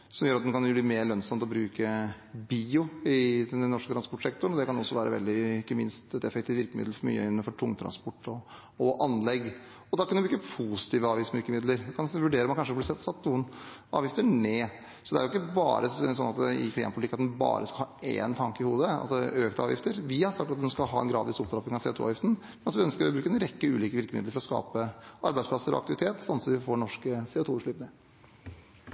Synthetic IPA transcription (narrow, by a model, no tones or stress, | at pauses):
sɔmjøːɾɑt̪mɛnkɑnjʊblimeːɾɭœnsɑmt̪ɔbɾʉːkə | biːʊɪd̪ɛnːɔʂkət̪ʰɾɑnspɔʈsɛkt̪ɔɾɳnɔd̪ɛkɑnɔsːɔʋæːɾʔə̰ʋɛ̰ld̪ɪɪkːəmɪnst̪ɛt̪ɛfɛk̚t̪ʰɪːt̪ɪɾkəmɪd̪lfɔɾmy̰ːə̰ɪnːəfɔʈʰʊŋːət̪ʰɾɑ̰nspɔʈːɔ | ɔʔɑnlɛɡː | ɔd̪ɑkːɑnmlɪkːəpʰusɪ̥t̪ʰiːʋəɑːʋjɪsmɪɾkəmɪd̪ləɾɛkʰɑnʋʉɖeːɾəmɑnkɑnʂəblɪsɛlt̪sɑt̪ːnuːənɑ̰ːʋjɪft̪əɳeː | sɔd̪ɛæɾʊɪkːəbɑ̰ːɾəsɔnːɑt̪ɛɪ̰kʰlɪɑ̰mpʊlt̪ɪkːɑt̪d̪ɛnbɑ̰ːɾəskɑhɑːḛːnt̪ʰɑŋkəɪhuːd̪əɑ̰t̪d̪ɛøːkt̪ɑ̰ːʋjɪ̰ft̪əɾʋɪhɑɾsɑk̚t̪ɑt̪̚d̪ɛnskɑlɦɑ̰ːɛ̰nɡɾɑ̰ːd̪ɪsɔpt̪ɾɔpɪŋɑʋsɛ̰ʊt̪ʰuːɑ̰ʋjɪft̪n̩mɛnɑsɔʋɪœnskəɾɔbɾʉːkəɛnɾɛkːəʉ̰ːliːkəʋɪɾkəmɪ̰d̪ləɾfɔɾɔskɑ̰ːpəɑ̰ɾbæɪdsplɑsːəɾɔ̰ɑ̰kt̪ɪʋɪt̪ʰeːt̪sɑmt̪sɔmʋɪfoːɳɔʂkəsɛʊt̪uːʂɭʉːpnə